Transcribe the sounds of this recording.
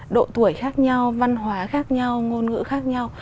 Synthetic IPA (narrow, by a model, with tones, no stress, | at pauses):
ɗo̰˧˨t̪u˧˩əjxaː˦˥k̚ɲa˧wva˧nɦwaː˨˦xaː˦˥k̚ɲa˧wŋo˧nŋɨ̰˧˥xaː˦˥k̚ɲa˧w